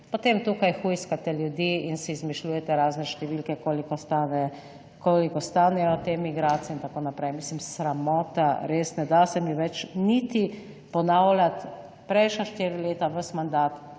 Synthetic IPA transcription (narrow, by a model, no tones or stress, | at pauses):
pot̪emt̪ukajxujskat̪ɛljud̪iːinsɛizmiʃluːjɛt̪ɛɾaːznɛʃt̪ɛʋiːlkɛkolik̪anɛ | kolikɔst̪aːnɛjɔt̪emiɡɾaːt̪sijɛint̪akoːnapɾɛjmislimsɾamɔːt̪aɾesnɛd̪asɛmiʋɛt͡ʃnit̪i | pɔnawlʲat̪ | pɾɛjʃnaʃt̪iɾileːt̪aʋəsmand̪aːt̪